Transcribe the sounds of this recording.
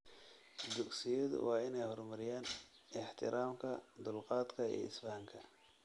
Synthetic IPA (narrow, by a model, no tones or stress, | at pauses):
d̪ʊɡsɪjɔð̰wɑːɪnɛjhɔrmɐɾɪjaːn | ɪħt̪ʰɪɾaːmkʰɐd̪ʊlqɑːd̪kʰɐḭɪsbaːŋkʰɐ